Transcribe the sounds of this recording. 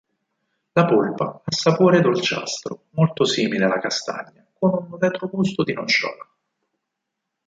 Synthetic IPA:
lapolpaasːapoːɾed̪olt͡ʃa̰st̪ɾo̰molt̪osiːmilealːakast̪a̰ɲːakonunvɛt̪ɾoɡust̪od̪inont͡ʃɔ̰ːla

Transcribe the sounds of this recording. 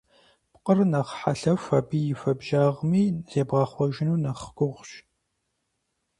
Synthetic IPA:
pqərnɐχħaɬɐfɐbiːjɪfɐbʒaːʁmiːz̥eːbʁɐχʷɔʒɪnuːnɐχɡʷʊʁʷʃ

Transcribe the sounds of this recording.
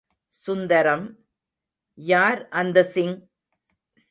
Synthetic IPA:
sʊnd̪ɐɾɐm | jaːɾʔɐnd̪ɐsɪŋ

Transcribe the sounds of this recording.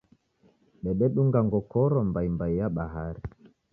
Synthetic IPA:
ɓɛɓɛɗuŋɡaŋɡɔkɔɾɔmbajmbajːaɓaɦaɾi

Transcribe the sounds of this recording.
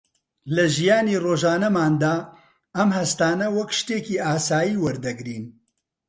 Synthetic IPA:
lɐʒijaːniroːʒaːnɐmaːnd̪aː | ɐmhɐst̪aːnɐwɐkʃt̪eːkiːaːsaːjiːwɐɾd̪ɐɡɾiːn

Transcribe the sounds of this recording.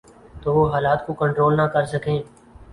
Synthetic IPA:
t̪oːʋoːɦaːlaːt̪kokə̃ɳʈɾoːlnakəɾsəkẽː

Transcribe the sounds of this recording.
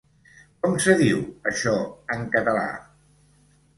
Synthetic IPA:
kɔmsəðiwəʃɔəŋkət̪əla̰

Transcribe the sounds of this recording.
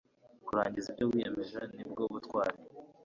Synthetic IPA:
kuɾa̰ːɲɟizib̚ɟowiːjamiʒanibɡoβutkwa̰ːɾe

